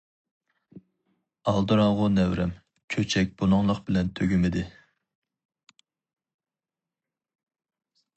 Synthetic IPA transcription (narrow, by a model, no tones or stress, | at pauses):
ɑlˠd̪ɨɾɑŋʁʊnɛwɾɛm | kʲʰøt͡ʃʰɛk̚ʲb̥unʊŋlˠəqbɪlɛnt̪ʰøɡʲymɪd̪ɪ